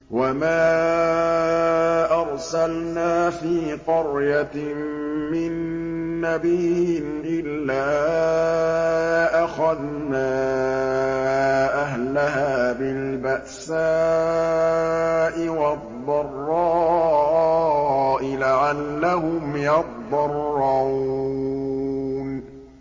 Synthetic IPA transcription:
wamaː | ʔɑɾˤsalnaːfiːqʊɾja | mɪnː | abiːhɪnʔɪlːaː | ʔaxað | naː | ʔaɦlaɦaːbɪlbaʔsaː | ʔɪwad̪ˤːɑrˤːɑː | ʔɪlaʕalːaɦʊmjɑd̪ˤːɑrˤːɑu | n

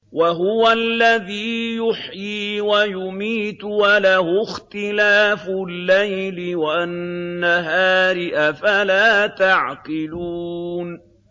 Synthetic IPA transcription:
waɦʊwalːaðiːjʊħjiːwajʊmiːt̪walahʊxt̪ɪlaːfʊlːajlɪwaʔanːaɦaːɾɪʔafalaːt̪aʕqɪluːn

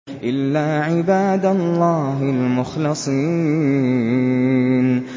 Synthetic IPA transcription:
ʔɪlːaːʕɪbaːd̪alˤːaːɦɪlmʊxlɨsˤi | n

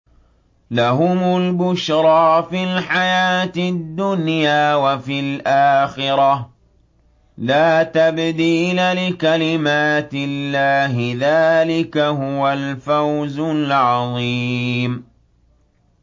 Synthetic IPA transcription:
laɦʊmʊlbʊʃɾˤɑːfilħajaːt̪ɪd̪ːʊnjaːwafilʔaːxɪɾɑ | laːt̪abd̪iːlalɪkalɪmaːt̪ɪlːaːɦɪðaːlɪkaɦʊwalfawzʊlʕɑðˤiːm

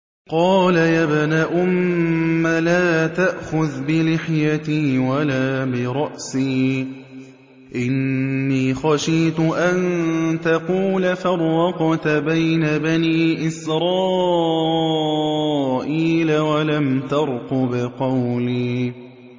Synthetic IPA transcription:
qɑːlajabnaːʔʊmː | alaːt̪aʔxʊðbɪlɪħjat̪iːwalaːbɪɾˤɑʔsiː | ʔɪnːiːxɑʃiːt̪ʊʔant̪ɑquːlafɑɾˤːɑqɑt̪abajnabaniːʔɪsɾˤɑː | ʔiːlawalamt̪ɑɾˤqʊbɪqɑwliː

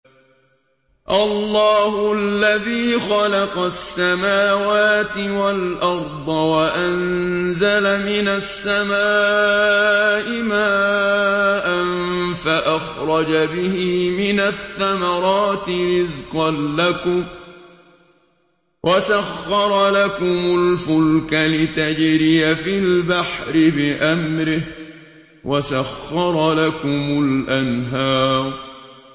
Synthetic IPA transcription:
ʔalːɑːhʊʔalːaðiːxɑlɑqɑsːamaːwaːt̪ɪwalʔɑɾˤd̪ˤɑwaʔanzalamɪnasːamaː | ʔɪmaː | ʔanfaʔaxɾˤɑd͡ʒabɪhimɪnaθːamɑɾˤɑːt̪ɪɾɪzqɑnːakʊm | wʔasaxːɑɾˤɑlakʊmʊlfʊlkalɪt̪ad͡ʒɾɪjafɪlbaħɾɪbɪʔamɾɪh | wasaxːɑɾˤɑlakʊmʊlʔanɦɑːɾˤ

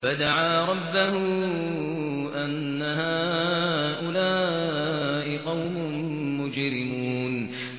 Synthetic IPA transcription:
fad̪aʕaːɾˤɑbːahʊ | ʔanːaɦaː | ʔʊlaː | ʔɪqɑwmʊmːʊd͡ʒɾɪmuːn

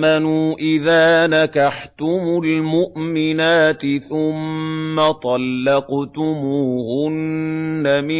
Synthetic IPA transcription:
anuːʔɪðaːnakɑħt̪ʊmʊlmʊʔmɪnaːt̪ɪθʊmːat̪ˤɑlːɑqt̪ʊmuːhʊnːamɪ

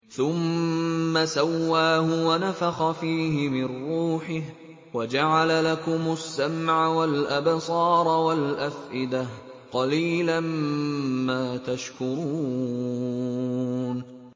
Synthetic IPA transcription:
θʊmː | asawːaːhʊwanafaxɑfiːɦɪmɪnɾuːħɪh | wad͡ʒaʕalalakʊmʊsːamʕawalʔabsˤɑːɾˤwalʔafʔɪd̪ah | qɑliːlan | maːt̪aʃkʊɾuuː | n

